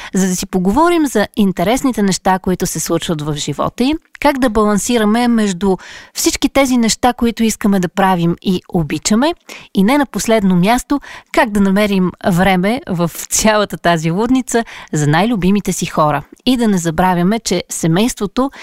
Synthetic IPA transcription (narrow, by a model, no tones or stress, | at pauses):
zɐd̪ɐsipoɡovɔɾimzɐint̪ɛɾɛsnit̪ɛnɛʃt̪akoit̪ʊsɛslˠut͡ʃvət̪vɐvʒivɔ̰t̪əikaɡd̪ɐbɐlˠɐnsiɾəmɛmɛʒd̪ʊfsit͡ʃkit̪ɛzinɛʃt̪akoit̪ʊiskəmɛd̪ɐpɾavimiobit͡ʃəmɛinɛnɐposlɛd̪nomʲjast̪okaɡ̚d̪ɐnɐmɛɾimvɾɛmɛvəft̪sʲjalˠət̪ət̪azilˠud̪nit̪səzɐnajlʲʊbimit̪ɛsixɔɾə̰id̪ɐnɛzɐbɾavʲjəmɛt͡ʃɛsɛmɛjst̪vot̪o